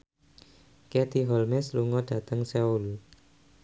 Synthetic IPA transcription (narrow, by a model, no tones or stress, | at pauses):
kɛt̪iɦɔlmɛsluŋɔd̥ä̤t̪əŋsɛolu